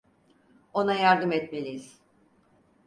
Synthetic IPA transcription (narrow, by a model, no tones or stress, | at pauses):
o̞najaɾd̪ɯmɛt̪me̞lʲijiz̥